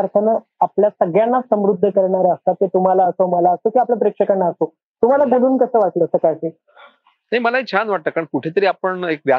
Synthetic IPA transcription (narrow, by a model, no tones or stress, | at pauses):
aɾk̪ʰənə | apljasəɡjanːasəmɾud̪ʱːəkəɾɳaɾaəst̪at̪et̪um̤alaəsoməlaəsokiaplap̬ɾekʂəkənːaəso | t̪um̤alaɡʱəɽuːnkəsəːʋaʈləːəsəːkajseː | naɦiməlaɦit͡ɕʰanʋaʈ̚t̪əːkːaɳkuʈʰet̪əɾiːapəɳekʋja